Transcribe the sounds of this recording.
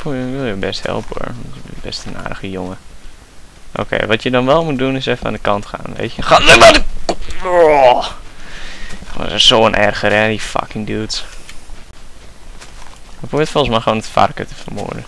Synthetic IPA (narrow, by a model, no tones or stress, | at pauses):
pujʋɪlˠjəbɛsthɛ̰lˠpəo̰əʋɔnəbɛstəna̰ːdəχəjoŋə | ʔo̰ːkʰḛːʋɔtʰjədɔnʋɛlˠmut̚dunɪsɛfəna̰ːndəkɑntxa̰ːnʋḛːtjəxatʋɛmadə | kɔ̰səsoːənʔɛrɣəɾɛdifa̰kɪŋdyt | əpuʋɪtfolˠsmajxəʋoːnətfa̰rkə̰təfərmʊ̰ːɹdə